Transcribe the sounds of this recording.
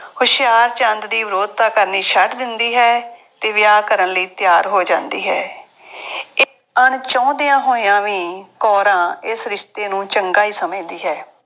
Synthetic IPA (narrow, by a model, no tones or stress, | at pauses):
hʊʃɪjaːɾt͡ʃə̃nd̪d̪iːʋɪɾoːd̪̚t̪aːkəɾniːʃəʈd̪ɪnd̪iːɦɛː | t̪eːʋɪjaːkəɾənləiːt̪jaːɾɦoːd͡ʒãːnd̪iːɦɛː | ɪ | əɳt͡ʃɔ̃ːd̪ɪjãːɦoːijãːʋiːkɔːɾãːɪsɾɪʃt̪eːnũːt͡ʃəŋɡaːɦiːsəmẽːd̪iːɦɛː